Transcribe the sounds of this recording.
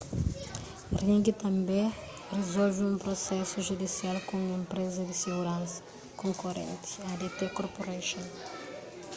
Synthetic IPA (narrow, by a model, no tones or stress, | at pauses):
rĩŋɡit̪ɐ̃mbẽ | rezolviũmpɾosɛsuʒud̪isialkõẽmpɾezɐd̪iseɡuɾãnsɐ̥ | kõŋkoɾḛ̃nt̪i̥ad̪et̪ekoɾpoɾaʃõn